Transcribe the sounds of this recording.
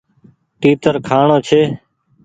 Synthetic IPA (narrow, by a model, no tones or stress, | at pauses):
ʈiːt̪əɾkʰaːɳoːt͡ʃʰeː